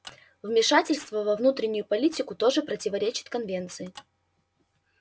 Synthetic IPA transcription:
vmʲɪʂatʲɪlʲst̪vəvɐvnut̪ɾʲɪnʲːʊjʊpɐlʲitʲɪkʊt̪o̞ʐɨpɾətʲɪvɐɾʲet͡ɕɪ̥t̪kɐnvʲe̞nt̪sɨɪ

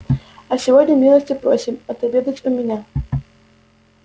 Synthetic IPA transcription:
ɐsʲɪvodʲnʲəmʲilˠəsʲtʲɪpɾosʲɪmɐt̪ɐbʲed̪ətʲʊmʲɪnʲa

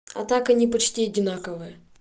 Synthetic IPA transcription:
ɐ̰t̪akɐnʲipɐt͡ɕtʲiɐdʲɪnakəvɨjə

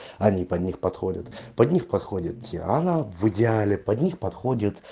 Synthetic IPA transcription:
ɐnʲipɐd̪ʲnʲixpɐt̪xo̞dʲə̰t̪pɐd̪ʲnʲixpɐt̪xodʲɪt̪̚tʲḭɐ̰navɨdʲɪalʲɪpɐd̪ʲnʲixpɐt̪xodʲɪt̪

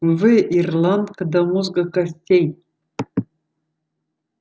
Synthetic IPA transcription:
vɨʔirland̪kɨd̪amuzɡakʼasʲtʲej

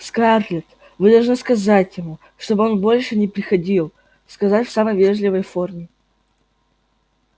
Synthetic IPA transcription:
skarlʲɪt̪ | vɨd̪ɐlˠʐnɨskɐzatʲjɪmu | ʂt̪o̞bɨo̞nbo̞lʲʂɨnʲɪpɾʲɪxɐdʲilˠ | skɐzatʲfsaməjvʲeʐlʲɪvəjformʲɪ

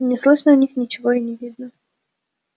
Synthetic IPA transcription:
nʲɪslˠɨʂnəʊnʲixnʲɪt͡ɕɪvoɪnʲɪvʲid̪nə

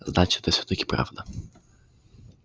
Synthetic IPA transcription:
znat͡ʃi̥t̪ɛsɛ̥t̪ɔkʲi̥pɾa̰vd̪a

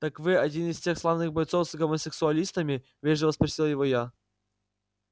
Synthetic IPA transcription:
t̪akvɨɐdʲinɪsʲtʲe̞xslˠavnɨxbɐjt̪sofsɡəməsʲɪksʊɐlʲist̪əmʲɪ | vʲeʐəvəspɾɐsʲilˠjɪvoja

